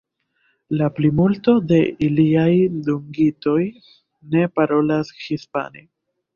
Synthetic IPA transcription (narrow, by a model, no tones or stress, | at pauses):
laplimulto̞de̞iliajduŋɡito̞j | ne̞paɾo̞lashispa̰ne